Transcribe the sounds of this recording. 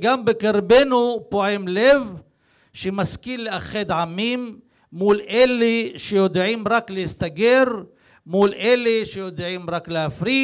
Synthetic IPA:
ɡambekeɾbenupoʕemlev | ʃemaskilːeaχed̪ʕamimː | ulʔeleʃejod̪ʕimɾaklehist̪aɡeɾ | mulʔeleʃejo̞d̪ʕimɾaklehafɾi

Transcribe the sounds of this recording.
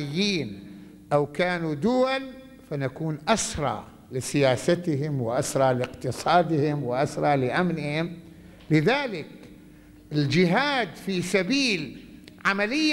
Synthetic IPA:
ɪjːiːn | ʔawkaːnud̪ʊwal | fanakuːnʔasɾˤɑ̰ | lɪsɪjaːsat̪ɦɪmwɪʔasɾˤɑlɪqt̪ɨsˤɑːd̪ɪhɪmwɪʔasɾˤɑlɪʔamnɪhɪm | lɪðaːlɪk | ɪld͡ʒɪɦaːd̪fiːsabiːlʕamalɪjː

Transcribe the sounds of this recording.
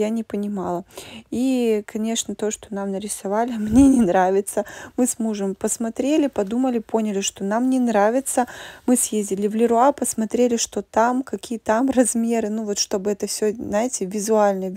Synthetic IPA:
janʲɪpənʲɪmalˠəikʰɐnʲe̞ʂnət̪o̞ʂt̪o̞namnəɾʲɪsɐvalʲɪmnʲe̞nʲɪnɾavʲɪt̪səmɨsmuʐəmpəsmɐt̪ɾʲelʲɪpɐd̪uməlʲɪpo̞nʲɪlʲɪʂt̪o̞namnʲɪnɾavʲɪt̪səmɨsjezʲdʲɪlʲɪvlʲɪɾʊapəsmɐt̪ɾʲelʲɪʂt̪o̞t̪amkɐkʲijət̪amrɐzmʲe̞ɾɨnuvo̞t̪ʂt̪o̞bɨɛt̪əfsʲɵznajɪtʲɪvʲɪzʊalʲnəjə

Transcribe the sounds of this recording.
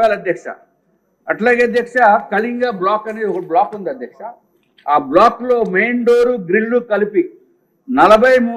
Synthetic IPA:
aːlɐd̪ʱjɐkʂa̰ | ɐʈlaːɡeːɐd̪ʱjɐkʂakɐliŋɡaːblaːkɐneɔkɐɽiblaːkund̪ɐd̪jɐkʂa | aːblaːklo̞ːmejɳɖoːɾuɡɾilːukɐlipi | nɐlɐbʱɐjmu

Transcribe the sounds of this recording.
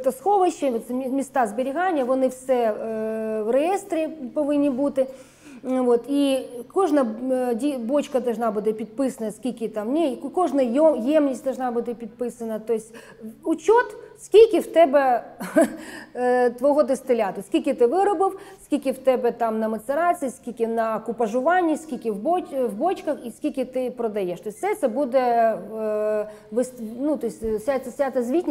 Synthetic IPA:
t̪ɐsxoʋɐɕːɪt̪ʲmʲɪst̪azbʲɪɾʲɪɣanʲɪjəʋɐnɨfsʲɛ | vrɨjest̪ɾʲɪpɐʋɨnʲɪbut̪ɨ | vot̪ikoʐnɐjdʲibot͡ɕkɐd̪ɐlˠʐnabɨt̪ʲɪpʲɪt̪̚pɨsɐnəjsʲkʲikʲɪt̪amnʲekoʐnɐjjjemnʲɪsʲd̪ɐlˠʐnabɨt̪ʲɪpʲɪt̪̚pɨsɐnːɐt̪oɪsʲtʲ | ʊt͡ɕot̪sʲkʲilʲkʲɪwt̪ɛbɛ | t̪ʋɔɦɔd̪ɪst̪ɪlʲat̪ɔsʲkʲilʲkʲɪt̪ɪʋɪɾɐbɪwsʲkʲilʲkʲɪwt̪ɛbɛt̪ɑmnɐmɐt̪seɾɑt͡sʲiːsʲkʲilʲkʲɪnɐɐkʊpɐʐʊʋɑnʲːisʲkʲilʲkʲɪwbʋbɔt͡ʃkɐxisʲkʲilʲkʲɪt̪ɪpɾɔd̪ɐjɛʃt̪ɔjsʲtsɛt̪sɛbud̪ɛ | ʋɪsnut̪ɔjsʲsʲasʲat̪ɐzʲʋʲitʲnʲ

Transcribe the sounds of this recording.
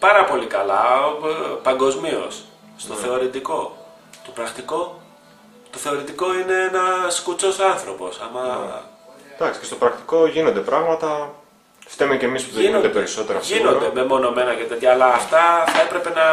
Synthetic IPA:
pɐɾɐpo̞likɐlɐ̰ | pɐŋɡo̞zmio̞̰s | snt̪o̞θθe̞o̞ɾit̪iko̞ | t̪o̥pɾɐkt̪iko̞ | t̪o̞θe̞o̞ɾit̪iko̞ine̞enɐskut͡so̞sɐnθɾo̞po̞sɐmɐ | d̪̥ɐksi̥cest̪opɾɐkt̪i̥ko̞ʝino̞nd̪e̞pɾɐɣmɐt̪ɐ | ft̪emece̞mispuðeinod̪epe̞ɾiso̞t̪e̞ɾɐsinonɾd̪eme̞mo̞no̞me̞nɐʝɐt̪ed̪jɐːlɐːft̪ɐθɐe̞pɾe̞pe̞nɐ

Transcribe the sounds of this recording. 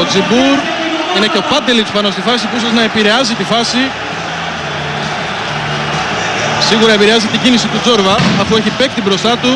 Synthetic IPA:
od͡zibuɾ | ine̞ceopɐd̪elispɐno̞st̪ifɐsipusɐznɐepiɾe̞ɐzit̪ifɐsi | siɣuɾɐepiɾeɐzit̪iɟinisit̪uzo̞ɾvɐɐfue̞çipek̚t̪ibɾo̞st̪ɐt̪u

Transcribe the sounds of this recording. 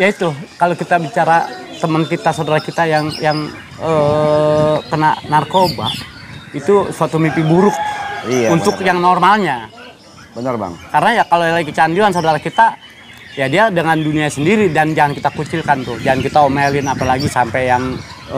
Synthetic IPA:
jait̪ukalokit̪abit͡ʃaɾat̪əmənkit̪asadaɾahkit̪ajaŋjaŋ | ə | kənaʔnarkoba̰ʔ | it̪usuat̪umipibuɾʊk̚iunt̪ʊkjaŋnɔrmalɲa | bənəra̰ŋkaɾənajakalolaikət͡ʃand͡ʒuansadaɾahkit̪a | jadiadəŋanduniasəndiɾidand͡ʒaŋankit̪akut͡ʃilkant̪ʊhd͡ʒaŋankit̪aomelɪnapalaɡisampɛjaŋ

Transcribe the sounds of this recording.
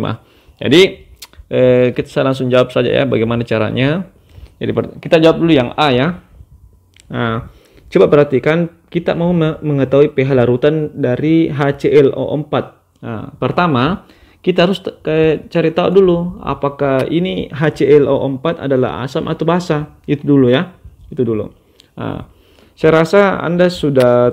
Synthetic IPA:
ma̰ | d͡ʒa̰diʔəkit̪ḁsajalaŋs̬ʊŋd͡ʒawap̚sad͡ʒa̰ja̰baɡajmanat͡ʃaɾa̰ɲa | d͡ʒa̰dipərkit̪ad͡ʒawap̚dulujaŋaja | ə | t͡ʃəbabəɾɦat̪ikan | kit̪a̰mauməməŋət̪auipeɦalaɾut̪andaɾiɦat͡ʃeʔɛlʔo̰ʔəmpat̪̚ | ə̰pərt̪ama | kit̪aɦaɾʊskat͡ʃaɾit̪aṵdulua̰pakahḭniɦat͡ʃeɛlʔoʔəmpat̪a̰dala̰ɦa̰samʔa̰t̪abaɦasa | it̪udulujait̪udulṵ | ə̰ | sajaɾasaa̰ndasuda

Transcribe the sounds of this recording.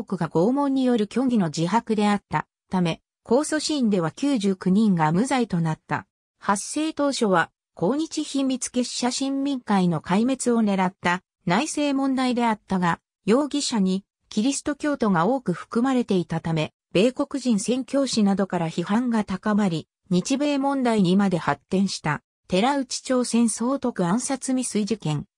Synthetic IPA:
oːkɯ̟ɡaɡo̞ːmõ̞ɲ̟ːijo̞ɾɯ̟kʲo̞ŋɡʲino̞d͡ʑiɦakɯ̟d̪e̞at̪ːa | t̪ame̞ | kʰo̞ːso̞ɕĩːnd̪e̞βakʲɨːʑɨːkɯ̟ɲ̟ĩŋɡamɯ̟zait̪o̞nat̪ːa̰ | hasːe̞ːt̪o̞ːɕo̞βa | ko̞ːɲ̟it͡ɕiçimʲːit͡sɨ̥ke̞ɕɕaɕĩmmʲĩŋkaino̞kaime̞t͡sɨo̞ne̞ɾat̪ːa | naise̞ːmõ̞nd̪aid̪e̞at̪ːaɡa | jo̞ːɡʲiɕaɲ̟i | kʲiɾʲisɨ̥t̪o̞kʲo̞ːt̪o̞ɡao̞ːkɯ̟ɸɯ̟̥kɯ̟maɾe̞t̪e̞it̪at̪ame̞ | b̥e̞ːko̞kɯ̟ʑĩɰ̃sẽ̞ŋkʲo̞ːɕinad̪o̞kaɾaçihãŋɡat̪akamaɾʲi | ɲ̟it͡ɕibe̞ːmõ̞nd̪aiɲimad̪e̞hat̪ːẽ̞ɰ̃ɕi̥t̪a | t̪e̞ɾaɯ̟t͡ɕi̥t͡ɕo̞ːsẽ̞ɰ̃so̞ːt̪o̞kɯ̟ãɰ̃sat͡sɨmʲisɨiʑikẽ̞ŋ

